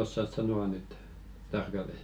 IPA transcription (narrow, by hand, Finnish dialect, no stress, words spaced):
osːɑs sɑnoɑ nyt tɑrkɑlːes